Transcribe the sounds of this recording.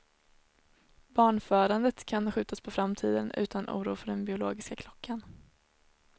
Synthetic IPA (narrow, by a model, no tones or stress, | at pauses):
bɑːɳfœːɾand̪ət̪kʰanɧʉ̟ːt̪aspʰɔfɾamt̪ʰḭːd̪ənʉ̟̰ːt̪ʰanʔṵːɾṵːfœɖɛnbɪʊloːɡɪskakʰlɔkʰːan